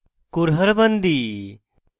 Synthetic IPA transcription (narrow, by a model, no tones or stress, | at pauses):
kuɾɦəɾbənd̪i